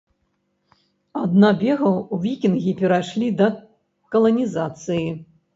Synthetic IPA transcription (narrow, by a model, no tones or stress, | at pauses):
ad̪nabʲɛɣɐuvʲikʲinɣʲipʲɛɾaʂlʲid̪ɐ | kɐlˠɐnʲizat̪sɨji